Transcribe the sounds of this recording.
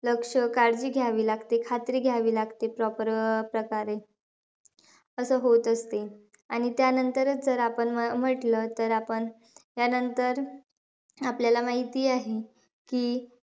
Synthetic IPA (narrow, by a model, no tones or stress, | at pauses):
ləkʂəkaɾd͡ʑiːɡʱjaʋiːlaɡt̪ekʰat̪ɾiːɡʱjaʋiːlaɡt̪epɾɔpəɾpɾəkaɾe | əsəːɦot̪əst̪e | aɽ̃it̪janənt̪əɾət͡sd͡zəɾapəɳəm̤əʈlət̪əɾapəɳ | ɦjanənt̪əɾ | apljalamaɦit̪iːaɦe | kiː